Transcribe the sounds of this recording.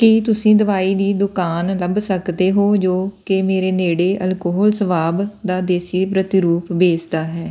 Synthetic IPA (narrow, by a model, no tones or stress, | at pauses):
kit̪ʊsĩːd̪əʋaːiːd̪iːd̪ʊkaːnləbsəkd̪eːɦoːd͡ʒoːkemeːɾeːneːɽeːʔəlkoːɦɔːlsəʋaːbd̪aːd̪eːsiːpɾət̪ɪɾuːpbeːd͡ʒd̪aːɦɛː